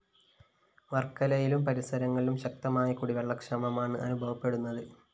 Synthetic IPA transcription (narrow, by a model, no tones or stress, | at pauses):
ʋɐrkːɐlɐjilumpɐɾisɐɾɐŋːɐɭilumɕɐk̚t̪ɐmaːjɐkuɽiʋeɭːɐkʂɐmɐmaːɳɨʔɐnubʱɐʋɐpːe̞ɽunːɐðɨ